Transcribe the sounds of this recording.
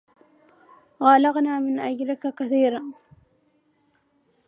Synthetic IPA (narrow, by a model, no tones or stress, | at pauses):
ɣaːlaɣnaːmɪnʔad͡ʒɾɪkakaθiːɾaː